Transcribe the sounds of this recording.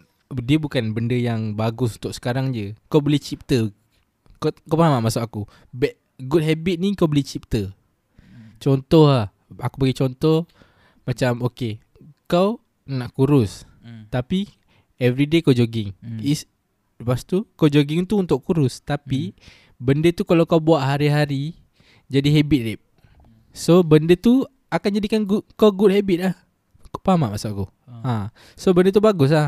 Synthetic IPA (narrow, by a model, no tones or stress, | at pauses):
diəbukanbəndəjaŋbaɡʊsunt̪ʊʔsə̥kaɾaŋd͡ʒəkawbəlit͡ʃip̚t̪ə | kkawpənamaʔmasʊʔkaku | bɛʔ | ɡud̚ɦɛbit̪̚nikawbəlit͡ʃip̚t̪ə | t͡ʃɔnt̪ɔhlah | akupaɡit͡ʃɔnt̪ɔh | mat͡ʃamoke | kaw | naʔkuɾʊs | t̪api | ɛvɾidekawd͡ʒoɡɪŋis | past̪ukawd͡ʒoɡiŋt̪uunt̪ʊʔkuɾʊst̪api | bəndət̪ukalawkawbuaʔɦaɾiɦaɾi | d͡ʒadiɦɛbit̪̚rɛp̚ | sobəndət̪u | akand͡ʒadikanɡut̚kawɡut̚hɛbit̪̚lah | koʔpamaʔmasaʔaku | ã | sobəndət̪̬ubaɡʊs̬la